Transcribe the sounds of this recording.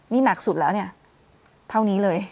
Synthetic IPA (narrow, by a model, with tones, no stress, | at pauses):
niː˥˩na˨˩k̚su˨˩lɛː˦˥wni˥˩ɐ | t̪ʰa˥˩wniː˦˥lɤː˧j